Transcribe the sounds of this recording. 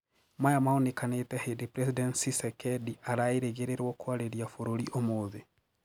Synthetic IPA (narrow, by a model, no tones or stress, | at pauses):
majamaonekanetɛhedepɾɛsidɛntsisɛkɛdiaɾaeɾeɣeɾeɾwɔkwaɾeɾjafoɾoɾiʔomoːðe